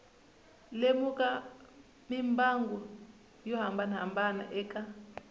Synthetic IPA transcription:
lemukʼa | mimbaŋɡɔ | jɔɦambana̰mbana̰ʔɛːkʼa

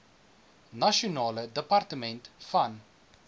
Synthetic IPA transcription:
nɐʃionɑːlədəpɐrtəmɛntfɐn

